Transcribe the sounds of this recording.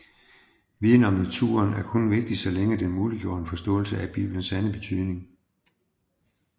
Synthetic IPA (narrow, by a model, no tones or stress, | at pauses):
ʋiðˠn̩ɒ̽mnæt͡sʰṵːɐnæɐkʰɔ̽nʋe̝ɡ̥̚d̥isɒleŋəd̥enmuːliɡ̥jo̝̰ːɐnəfɒ̽sd̥ɔ̰̽ːl̩səæb̥ḭːb̥lənsænəb̥e̝t͡sʰyðˠne̝ŋ